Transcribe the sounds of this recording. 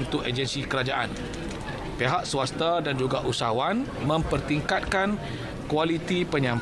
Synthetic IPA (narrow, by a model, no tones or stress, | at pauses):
nt̪ʊked͡ʒənsikəɾad͡ʒaʔa̰n | peɦaʔsuwast̪adand͡ʒuɡaʔusa̰wan | mə̃mpərt̪iŋkat̪̚kan | kualit̪ipəɲãm